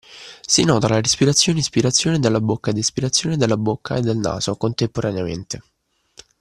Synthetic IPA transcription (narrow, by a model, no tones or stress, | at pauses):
sinɔːt̪alaɾespiɾat̪sːjoːneispiɾat̪sːjoːned̪elːabokːaed̪ispiɾat̪sːjoːned̪elːabokʰːa̰ed̪ːelna̰ːzokont̪empoɾaneamḛnt̪e